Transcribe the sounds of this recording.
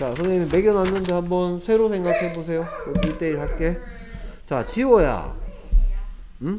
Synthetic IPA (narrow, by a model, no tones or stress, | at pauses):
t͡ɕasʰʌŋimime̞ɡjʌnɦanːɯndehambʌnsʰe̞ɾosʰeŋɡakʰhe̞bosʰe̞jokopiɭt͈e̞iɭpak͈e̞ | t͡ɕat͡ɕiwʌja̰ | ɯ